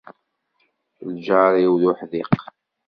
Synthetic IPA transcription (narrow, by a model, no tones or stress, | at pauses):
ld͡ʒɑɾiwðʊħðiq